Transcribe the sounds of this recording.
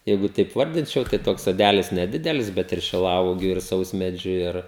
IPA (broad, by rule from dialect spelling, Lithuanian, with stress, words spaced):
ˈjɛɪɡʊ tɐɪp ˈʋɐrʲdʲɪnʲt͡ʃʲɛʊ tɐɪ ˈtoːks soːˈdʲælʲɪs nʲɛˈdʲɪdʲɛlʲɪs ˈbʲɛt ɪr ʃʲɪˈlˠɐʊɔɡʲuː ɪr ˈsɐʊsʲmʲɛd͡ʒʲʊ ˈɪr